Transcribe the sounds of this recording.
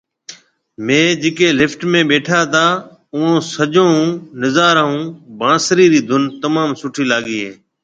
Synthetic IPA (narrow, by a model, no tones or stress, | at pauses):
mẽːd͡ʒɪːkeːlɪfʈmẽːɓeːʈʰaːt̪ʰaː | ũːõːsəʄõːɦũːnɪzaːɾəɦũːbãːsɾiːɾiːd̪ʱʊnt̪əmaːmsʊʈʰiːlaːɠiːɦeː